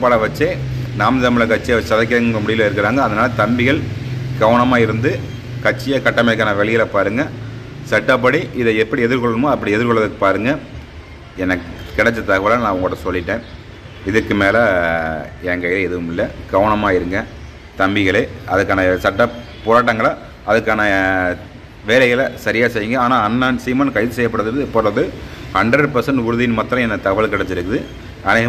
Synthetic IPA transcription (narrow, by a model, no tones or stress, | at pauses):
pːaːɽɐʋɐt͡ʃːeːnaːmt̪ɐmɪɭɐkɐʈt͡ʃːɪjʋɐt͡ʃːɐðɐɪk̬ːɐŋɡɯŋɡɐmʊɽɪjɪlaːɪɾɯkːɪɾaːŋɡɐːðɐnaːlɐt̪ɐmbɪɣɐɭɡɐʋɐnɐmaːɪɾɯnd̪ɯ | kɐʈt͡ʃːɪjɐkɐʈːɐmɛk̬ːaːnɐʋɛɭɪjɪlɐpaːɾɯŋɡɐ | sɐʈːɐp̬ːɐɽiʔɪðɐɛpːɐɽiɛðɪɾkɔɭːɐɯmoːɐpːɐɽiɛðɪɾkɔɭːɐðɯkːɯ̥paːɾɯŋɡɐ | ɛnːɐkkɪɽɛt͡ʃːɐt̪ɐɣɐʋɐlaːnãːɐʋɐŋɡɭoːɽɐsɔlːɪʈːẽː | ɪðɯkːɯmeːlɐ | ɛŋɡɐɪlɐɛðɯʋɯmɪlːɐɡ̥ɐʋɐnɐmaːɪɾɯŋɡɐ̃ | t̪ɐmbɪɣɐɭeːɐðɯkːaːnɐsɐʈːɐ | pɔɾaːʈ̬ːɐŋɡɐɭa | ɐðɯkːaːnɐ | ʋeːlɐɣɐlɐsɐɾɪjaːsɛjːɯŋɡɐaːnaːɐnːansiːmɐnkɐɪðɯsɛjɐpːɐɽɐðɯðpːɔːɾɐðɯhɐɳɖɾɐɖpɐɾsɐɳɖʊɾɯðɪjɪnmɐːt̪ːɾɐ̃ɛnːɐt̪ɐɣɐʋɐlɭkɪɽɛt͡ʃːɪɾɯkːɯðɯ | ɐnɐɐ